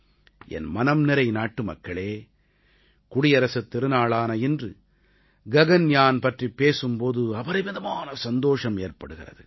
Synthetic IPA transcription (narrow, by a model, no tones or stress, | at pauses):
ʔɛ̰nmɐnɐmnɪɾɐɪnaːʈːɯmɐ̰kːɐɭeː | kʊɽɪjɐɾɐsɯt̪ːɪɾɯnaːɭaːnɐɪndrɯ | ɡɐɣɐnjaːnpɐʈripːeːsɯmpoːðɯɐʋɐɾɐɪʋɐðɐmaːnɐsɐnd̪oːʂɐmeːrpɐɽɯɣɪrɐ̰ðɯ